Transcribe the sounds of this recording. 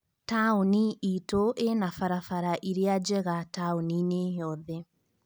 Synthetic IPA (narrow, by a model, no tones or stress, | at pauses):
tauniitoʔenafaɾafaɾaʔiɾead͡ʒɛɣataunineɦɔðɛ